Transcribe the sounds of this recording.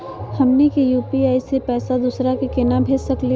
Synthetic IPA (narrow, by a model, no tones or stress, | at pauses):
hɐmnikijuːpiaːisepɛːsad̪uːsɾakikeːnabʱeːd͡ʒsɐkli